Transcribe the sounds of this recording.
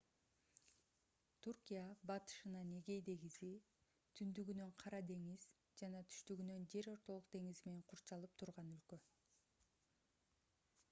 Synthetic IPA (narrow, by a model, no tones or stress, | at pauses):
t̪ʰurkʲijabɑt̪ɯ̥ʃɯnɑne̞ɡe̞jd̪e̞ɡizi | t̪ʰynd̪yɡynøɴqʰɑɾɑd̪e̞ŋiz̥ | d͡ʒɑnɑt̪ʰy̥ʃt̪yɡynø̞nd͡ʒe̞ɾo̞ɾt̪o̞lˠuqd̪e̞ŋizimeneŋqʰuɾt͡ʃɑlˠɯp̚t̪ʰuɾʁɑnylkø